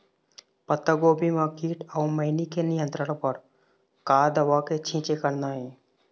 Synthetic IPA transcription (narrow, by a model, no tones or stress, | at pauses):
pət̪ːəɡoːbimãkiːʈawməjnikʰenijə̃nt̪ɾəɽ̃pəɾ | kaːd̪əʋaket͡ʃʰĩːt͡ʃekəɾnaːɦe